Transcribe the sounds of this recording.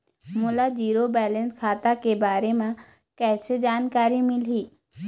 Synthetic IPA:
mʊlad͡ʒiːɾobɛːlə̃nskʰaːt̪akebaːɾemẽ | kɛːsed͡ʒaːnkaːɾimɪlɦiː

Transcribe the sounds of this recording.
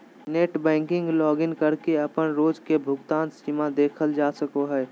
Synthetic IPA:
neːʈbɛ̃ːŋkɪ̃ŋɡlɔːɡɪnkəɾkeɐpənɾoːd͡ʒkebʱʊɡt̪ãːnsiːmad̪eːkʰəld͡ʒaːsəkoɦɛː

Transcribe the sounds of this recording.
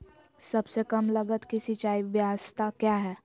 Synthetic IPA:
sɐbsekɐmlɐɡət̪kisit͡ʃaːiʋjaːʋəst̪ʰakjaːɦɛː

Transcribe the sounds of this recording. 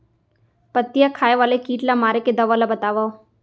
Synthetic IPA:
pət̪ːijakʰaːjeʋaːlekiːʈlamaːɾeked̪ɐʋalabət̪aːʋa

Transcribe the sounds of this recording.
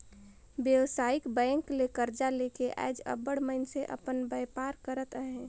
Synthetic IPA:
bjəwsaːɪkbɛ̃ːŋklekəɾd͡ʒalekeʔa̰ːd͡ʒə̰bəɽməɪnseʔə̰pənbəjpaːɾkəɾət̪əɦɛ̃

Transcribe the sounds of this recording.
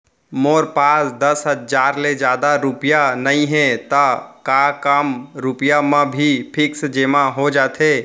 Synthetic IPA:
moːɾpaːsd̪əsɦəd͡ʒaːɾled͡ʒaːd̪aɾʊpijanəĩɦɛ̃t̪əkakəmɾʊpijamə̃bʱipʰɪksd͡ʒeːmaɦod͡ʒaːt̪ʰe

